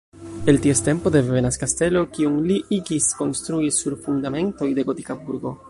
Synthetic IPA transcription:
e̞ltieste̞mpo̞de̞ve̞naskaste̞lo̞kiuŋliʔiɡisko̞nst̪ɾuisuɾfundame̞nto̞jde̞ɡo̞tikabuɾɡo̞

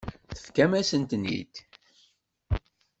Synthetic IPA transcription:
θə̥fkæmæsənt̪nḭd̪

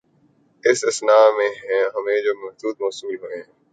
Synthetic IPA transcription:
ɪsɪsnaːmẽːɦɛ̃ːɦəmẽd͡ʒoːmɐɦd̪uːd̪̚mɔːsɪmiɦoeɦɛ̃ː

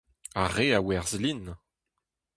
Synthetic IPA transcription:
aʁeawɛʁzlin

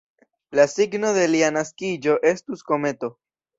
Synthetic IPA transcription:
lasiɡno̞ðe̞lianaskid͡ʒo̞ʔe̞stusko̞me̞t̪o̞

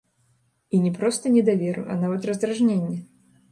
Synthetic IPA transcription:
inʲɛpɾɔst̪ɐnʲɛd̪avʲeɾɨ̰ʔa̰navɐt̪rɐzd̪ɾaʐnʲenʲːɛ

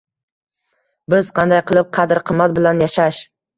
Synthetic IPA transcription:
bɪzqʰɑnd̪ajqʰɨlˠɪp̚qʰɑd̪ɪɾqʰɨmːat̪̚bɪlanjaʃaʃ

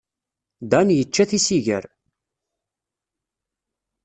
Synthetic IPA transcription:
d̪ænjət͡ʃːæθisiʝə̰ɾ

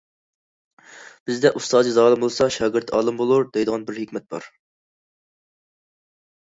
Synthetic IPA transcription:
b̥ɪzd̪ɛʔust̪ɑːd̪ɨzɑːlˠɨmbolˠsɑʃɑːɡʲɪɾt̪ʰɑːlˠɨmbolˠuɾd̪ejd̪əʁɑnbɪɾhekʲmɛt̪̚bɑ̰ɾ

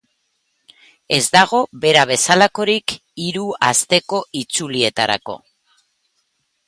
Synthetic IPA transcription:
e̞zd̪aɣ̞o̞βe̞ɾaβ̞e̞salako̞ɾik | iɾua̰st̪e̞ko̞ʔit͡sulie̞t̪aɾa̰ko̞̰

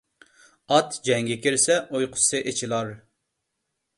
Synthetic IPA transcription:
ɑt̪d͡ʒɛŋɡʲɛkʲiɾsɛʔojqʰʊ̥sɨʔet͡ʃʰilˠɑɾ

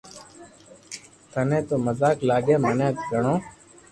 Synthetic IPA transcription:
t̪ʰənẽːt̪oːməzaːklaːɠẽːmənẽːt̪ɡəɳõː

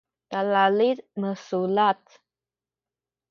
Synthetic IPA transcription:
t̪alalit̪məsulat̪̚

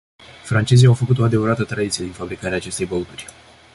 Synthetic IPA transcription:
fɾant͡ʃe̞zijawfəkut̪o̞ad̪e̞vəɾat̪ət̪ɾad̪it̪sije̞d̪infabɾikaɾeaːt͡ʃe̞st̪e̞jbəut̪urʲ

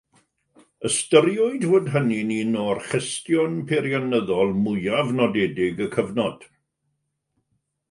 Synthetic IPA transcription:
əstəɾjʊɨdvoːdɦənininɔːrχɪstjɔnpʰeɾjanəðɔlˠmʊjavnɔdɛdɪɡəkʰəvnɔd̥

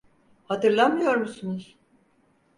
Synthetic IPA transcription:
hat̪ɯɾlˠanmɯjo̞ɾmusunuz̥

